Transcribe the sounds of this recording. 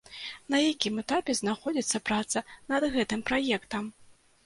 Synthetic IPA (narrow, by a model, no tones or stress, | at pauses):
nɐjakʲimɛt̪apʲɛznaxɔd͡zʲit̪sːɐpɾat̪sɐnɐd̪ɣɛt̪ɨmpɾajɛkt̪ɐm